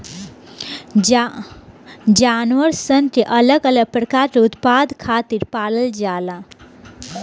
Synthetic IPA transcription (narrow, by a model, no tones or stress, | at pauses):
d͡ʒanʋəɾsənʈ̪ʰeʔələɡələɡ̚pɾəkaɾt͡ɕut̪pad̪kʰat̪iːɾpaləld͡ʒala